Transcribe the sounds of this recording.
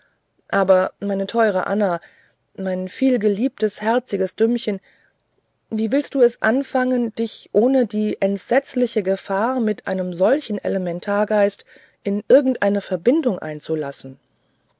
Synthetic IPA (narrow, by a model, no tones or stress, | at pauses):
ʔaːbɐmaɪnətʰɔʏʁ̞ə̰ʔa̰na | maɪnfiːlɡəliːp̚təshɛɐt͡sɪɡəsd̥ʏmçən | viːvɪlst̚d̥uːɛsʔa̰nfaŋənd̥ɪçʔoːnədiːʔɛntz̥ɛt͡slɪçəɡəfaːɐmɪtʔa̰ɪnəmzɔlçn̩ʔɛ̰ləmɛntʰaːɐɡaɪst | ʔɪnʔɪɐɡŋ̩tʔaɪnəfɛɐbɪndʊŋʔa̰ɪnt͡sula̰sn̩